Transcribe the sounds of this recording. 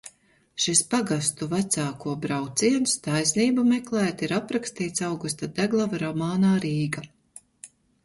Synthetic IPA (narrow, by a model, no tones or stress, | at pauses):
ʃispaɡast̪uvæt̪saːkuɔbɾawt̪siɛnst̪ajsniːbamɛklˠɛːt̪iɾapɾakst̪iːt̪sawɡust̪ad̪æɡlˠavaɾɔmaːnaːɾiːɡa